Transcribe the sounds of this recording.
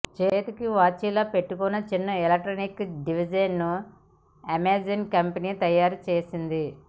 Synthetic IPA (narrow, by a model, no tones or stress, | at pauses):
t͡ʃeːt̪ikiʋaːt͡ʃːiːlɐpeʈːukunːɐt͡ʃinːɐelɐk̚ʈɾoːnikɖiʋid͡ʒɐnːu | ɐmeːd͡ʒɐnkɐmpɐniːt̪ɐjːaːɾut͡ʃeːsind̪i